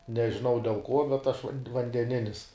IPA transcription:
nʲɛʒʲɪˈnɐʊ dʲɛlˠ ˈkuɔ bʲɛt ɐʃ ʋɐn ʋɐnʲdʲɛˈnʲɪnʲɪs

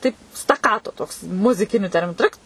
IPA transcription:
tɐɪp stɐˈkɑːtoː ˈtoːks mʊzʲɪˈkʲɪnʲʊ ˈtʲɛrʲmʲɪnʊ ˈtrɨkt

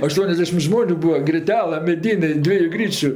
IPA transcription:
ɐˈʃtuɔnʲɛzʲdʲɛʃʲɪm ˈʒmoːnʲʊ ˈbuːɐ ɡrʲɪˈtʲæːlˠɜ mʲɛˈdʲiːnʲeː ˈdʲʋʲiɛjʊ ˈɡrʲiːt͡ʃʲʊ

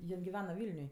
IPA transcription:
ˈjɪn ɡʲɪˈʋʲæːnɐ ˈʋʲiːlʲnʲʊj

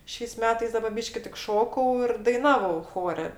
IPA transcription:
ˈʃʲɛɪs ˈmʲæːtɐɪs ˈdɑːbɐ ˈbʲiːʃʲkʲɪ tʲɪk ˈʃoːkɐʊ ɪr dɐɪˈnɑːʋɐʊ ˈxoːrʲɛ

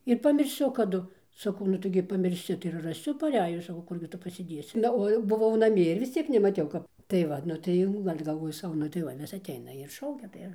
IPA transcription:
ɪr pɐmʲɪrʲˈsʲʊ kɐˈdʊ sɐˈkɐʊ nʊ tɐɪˈɡʲɪ pɐmʲɪrʲˈsʲɪ tɐɪ ɪr rɐˈsʲʊ pɐˈrʲæːjʊs sɐˈkɐʊ ˈkʊrʲɡʲɪ ˈtʊ pɐsʲɪˈdʲeːsʲɪ ˈnɐ oː jɛʊ bʊˈʋɐʊ nɐˈmʲiɛ ɪr ʋʲɪs ˈt͡sʲiɛk nʲɛmɐˈtʲɛʊ ˈkɐp tɐɪ ˈʋɐt nʊ ˈtɐɪ jɛʊ ɡɐlʲ ɡɐlˠˈʋoːjʊ ˈsɐʊ ˈnʊ tɐɪ ˈʋɐ ʋʲɪs ɐtʲˈɛɪnɐ ɪr ˈʃɐʊkʲɛ tɐɪ ˈɪr

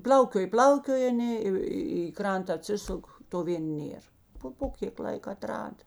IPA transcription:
ˈpʲlʲɐʊkʲoːj ˈpʲlʲɐʊkʲoːj ɐˈnʲeː ɪ ɪ ˈkrɐntɐ ɐˈtʲsʲɪsʊk toː ˈʋʲeːn ˈnʲeːr ˈpoː poː ˈkʲeːk ˈlˠɐɪk ɐˈtrɑːdɐ

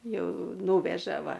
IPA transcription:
ˈjɛʊ ˈnuːʋʲɛʒɐ ˈʋɐ

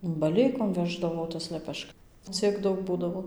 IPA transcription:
bɐˈlʲɛɪkoːm ˈʋʲæːʒdɐʋoː tɐs lʲɛˈpʲɛʃk ˈt͡sʲiɛk ˈdɐʊk ˈbuːdɐʋoː

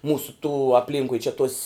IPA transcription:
ˈmuːsʊ tuː ɐpʲˈlʲiːŋkʊɪ t͡ʃʲɛ toːsʲ

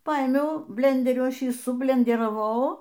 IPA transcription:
ˈpɐeːmʲɛʊ ˈbʲlʲɛnʲdʲɛrʲʊ ˈɐʃ ˈjiː sʊbʲlʲɛnʲdʲɛrɐˈʋɐʊ

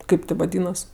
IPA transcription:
ˈkɐɪp tʲɪ ʋɐˈdʲiːnɐs

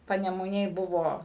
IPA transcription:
pɐnʲɛmʊˈnʲeːj ˈbʊʋoː

